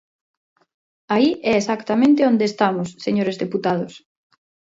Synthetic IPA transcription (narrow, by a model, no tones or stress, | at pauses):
aiʔɛesakt̪amẽnt̪ɪond̪eːst̪amʊsːeɲoɾezðeput̪að̞ʊs